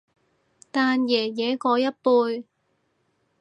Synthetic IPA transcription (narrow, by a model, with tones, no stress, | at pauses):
t̪aː˨˧njɛː˨˩jɛː˨˥kɔː˧jɐ˥t̚puː˧j